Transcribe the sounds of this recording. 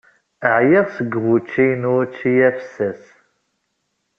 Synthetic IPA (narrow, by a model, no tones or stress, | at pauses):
əʕjiʁsəɡʁut͡ʃːijnut͡ʃːijæfsæs